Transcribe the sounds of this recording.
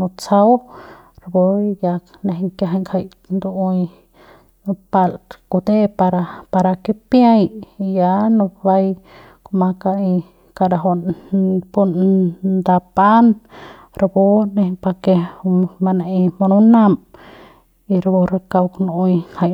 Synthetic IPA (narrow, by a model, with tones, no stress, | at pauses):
nu˧t͡sa˦w | ɾa˧bo˧ja˧knẽ˧ɦŋka˧ɦa˧jŋkʰa˧˨j | nd̪u˧u˧j | nu˧pa˧lku˧d̪e˦pa˧ɾa˧pa˧ɾa˧ki˦pja˦jja˧nũ˧ba˧j | ko˧ma˧ka˧i˧ | ka˧˨ɾa˧ɦo˧ | pu˧nnd̪a˧pa˦n | ɾa˧bo˧˦nẽ˧pa˧ke˧ma˧ne˧ʔi˧ma˧nu˦na˧m | i˧ɾbo˧ɾa˧ka˧wknu˧˨u˧jkʰa˧˨j